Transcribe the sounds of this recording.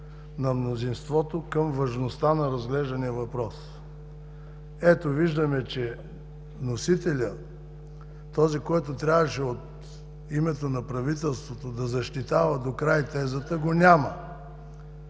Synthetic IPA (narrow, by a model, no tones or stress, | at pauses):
nɐmnozinst̪vɔt̪okəmvɐʒnost̪anɐɾɐzɡlɛʒd̪ɐnijəvɐpɾɔs | ɛt̪oviʒd̪əmɛt͡ʃɛ | nosit̪ɛlʲə | t̪ɔzikɔjt̪ot̪ɾʲavɐʃɛot̪ | imɛt̪onɐpɾɐvit̪ɛlˠst̪vot̪od̪ɐzɐʃt̪it̪avɐd̪okɾajt̪ɛzət̪əɡonʲamə